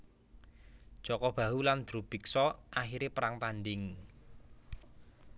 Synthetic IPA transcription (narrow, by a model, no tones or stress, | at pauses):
d͡ʒ̥ɔkɔb̥ä̤ɦuland̪̥ɾṳb̥i̤ksɔʔaxiɾepəɾaŋt̪anɖɪŋ